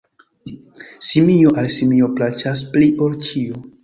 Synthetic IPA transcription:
simioʔalsimio̞plat͡ʃaspliʔolt͡ʃio

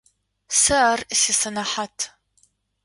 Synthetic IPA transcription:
saːrsisɐnaħatʰ

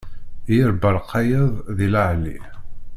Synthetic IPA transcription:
jəɾbəɾˤqʰːɑjəðˤðilaʕlḭ

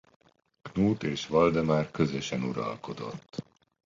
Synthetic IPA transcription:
knuːt̪eːʃʋɒld̪ɛmaːrkøzøʃɛnuɾɒ̰lko̞d̪o̞̰t̪ː

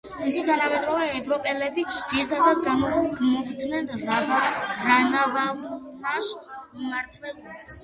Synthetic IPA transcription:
misit̪ʰanamɛd̪ɾɔvɛːvɾɔpʼɛlɛbidd͡ʒiɾit̪ʰad̪ad̪̚ɡanɡmɔbd̪nɛnavaɾanavanaʃumaɾt̪ʰlɛuls

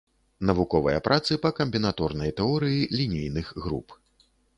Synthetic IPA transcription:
nɐvukɔvɐjɐpɾʔat̪sɨpɐkɐmʲbʲinat̪ɔrnɐjt̪ɛɔɾɨjilʲinʲijnɨxɣɾṵp

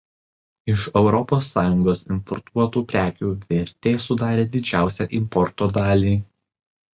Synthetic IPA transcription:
ɪʃɛʊɾɔpoːsːɑːjʊŋɡoːsɪmpɔɾt̪ʰuɔt̪uːpʲɾʲæːkʲuːʋʲɪɾʲt̪ʲeːsʊd̪ɑːɾʲeːd̪ʲɪd͡ʒʲæˑʊsʲɛːʔɪmpɔɾt̪oːd̪ɑːlʲiː

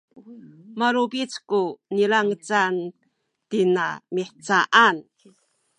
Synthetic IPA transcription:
maɾubit͡skunilaŋət͡san | tinamiħt͡saʔan

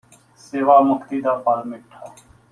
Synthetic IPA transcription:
seːʋaːməkʰt̪iːd̪aːpaːlmɪʈʰːaː

